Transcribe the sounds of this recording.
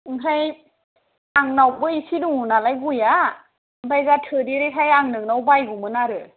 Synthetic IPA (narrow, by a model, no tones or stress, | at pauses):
ŋɦʰaj | aŋnawbɯisiduŋunalajɡuja | bajɡatʰɯdiɾekʰajaŋnɯk̚nawbajɡumɯnaɾɯ